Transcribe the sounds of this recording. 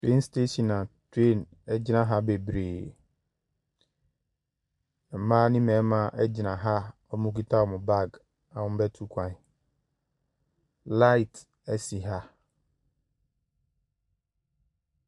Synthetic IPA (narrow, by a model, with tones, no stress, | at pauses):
te˦nstʰe˦sĩ˨nã˨tʰe˦˨n | ɛ˦d͡ʑɪ˦nã˦ɦa˦be˨bɾeː˨ | ã˨mãː˦nĩ˦mɛ̃˨˦mã˦ʔɛ˦d͡ʑɪ˨nã˨ɦa˦ | ɔ˦mũ˦ki˦tʰa˦ɔ˨mʊ̃˨ba˦˨ɡ | ã˨wʊ̃˦bɛ˦tʰu˦kʷʰã˨ | la˦i˨t | ɛ˦si˨ɦa˦